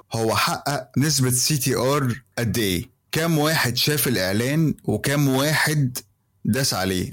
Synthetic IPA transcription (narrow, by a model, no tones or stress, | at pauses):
howːæħaʔːæʔnes̬bæsiːt̪iːʔɑːɾˤʔæd̪ːeː | kæːmwaːħed̪ʃæːfelʔeʕlæːnwekæːmwaːħed̪ː | æsʕa̰lḛː